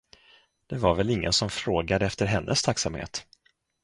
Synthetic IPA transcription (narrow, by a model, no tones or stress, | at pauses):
d̪̥ɛvaɾvɛlɪŋːə̰nsɔmfɾoːɡad̪əɛft̪əɾɦɛnːʔəst̪ʰaksamhḛːt̪